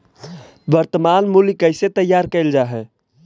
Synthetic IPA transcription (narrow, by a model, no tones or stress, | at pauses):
bəɾt̪əmanmulikəɪset̪əjːaːɾkəɪld͡ʒaːɦɛ